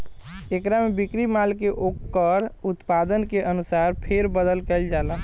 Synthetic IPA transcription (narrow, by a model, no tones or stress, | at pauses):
ekɾamebikɾimalkeʔokːəɾut̪pad̪ənkeʔənusaɾpʰeɾbəd̪əlkəɪld͡ʒalə